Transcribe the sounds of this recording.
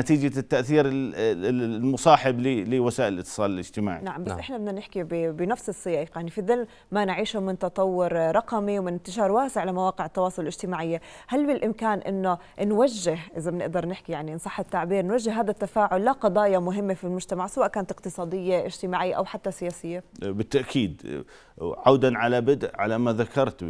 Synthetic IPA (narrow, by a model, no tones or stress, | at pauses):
nat̪iːd͡ʒat̪ːaʔθiːɾ | lmʊsˤɑːħɪblilɪwasaːʔɪlʔɪt̪ːɨ̥sˤɑ̰ːlɪlɪ̰d͡ʒt̪ɪma̰ːʕḭnaʕambasʔɪħnabɪdnːanɪħkibɪbɪnafsɨsːɨjɑːʔɪqjaʕnifiðɪln | manʕiːʃumɪnt̪ɑt̪ˤɑwːʊɾɾˤɑqɑmiwmɪnɪnt̪ɪʃɑːɾˤwaːsɪʕalamawaːqɪʕɪt̪ːɑwɑːsˤʊlɪlʔɪd͡ʒt̪ɪmaːʕɪjːahalːwɪlʔɪmkaːnʔɪ̰nːo | nwaʒːɪɦʔɪzabnɪ̰ʔd̪ɑɾˤnɪħkijaʕninsˤɑħːɪt̪ːaʕbiːɾnwaʒːɪhːaːd̪at̪ːafaːʕʊlːaqɑd̪ˤɑːjamʊɦɪmːefilmʊʒt̪amaʕsawaːʔkaːnat̪ɪqt̪ɨsˤɑːd̪ɪjːaʔɪ̰d͡ʒt̪ɪmaːʕɪjːaʔa̰wħat̪ːasɪjaːsɪjːabɪt̪ːaʔkʰiːd̪ | ʕawd̪anʕalabɪd̪ʔʕa̰lamaðakʰɑɾˤt̪